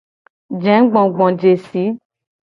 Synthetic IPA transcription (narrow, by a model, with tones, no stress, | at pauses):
d͡ʒɛ̃˨˦ɡ͡bɔ̃˨ɡ͡bɔ̃˨d͡ʒe˨si˨˦